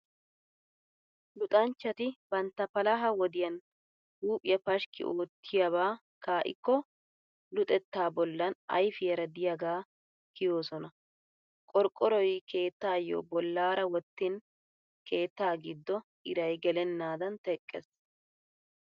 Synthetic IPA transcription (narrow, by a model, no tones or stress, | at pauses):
lʊt̪ʼɐnt͡ʃːɐt̪ɪb̥ɐnt̪ːɐpɐlɐɦɐwɔd̪ɪjɐn | huːpʼɪjɐpɐʃkɪ̰ʔoːt̪ʰːɪjɐβaː | kaːʔɪ̰kːɔ | lʊt̪ʼɛt̪ːaːbɔlːɐnɐ̰jfɪjɐɾɐd̪ɪjɐɡaː | kɪjo̞ːsɔnɐ | kʼɔɾkʼːɔɾɔjkʰe̞ːt̪ːaːjːo̰ːbɔlːaːɾɐwɔt̪ːɪn | kʰe̞ːt̪ːaːɡɪd̪ːɔ | ɪɾɐjɡɛlɛnːaːd̪ɐnt̪ɛkʼːɛ̰s